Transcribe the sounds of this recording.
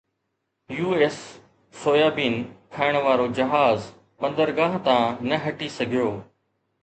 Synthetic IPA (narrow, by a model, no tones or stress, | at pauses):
juːeːsː | oːjaːbiːnkʰaːɪɽ̃ʋaːɾod͡ʑɐɦaːz | ɓɐ̃nd̪əɾɡaːɦt̪ãːnɐɦɐʈisɐɡʱɪjoː